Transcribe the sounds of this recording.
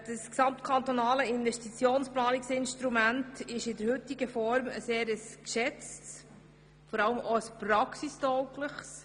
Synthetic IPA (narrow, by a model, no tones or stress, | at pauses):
d̥əsksɑmt̪kʰɑnt̪onɑːləɪnvɛstit͡sjoːnsplɑːniksɪnʃt̪ɾumæntɪʃɪd̪əɾhʏt̪iɡ̥əfɔɾməseːɾəskʃɛt͡sts | fɔɾɑləmʔoəspɾɑksist̪ɔwkləχs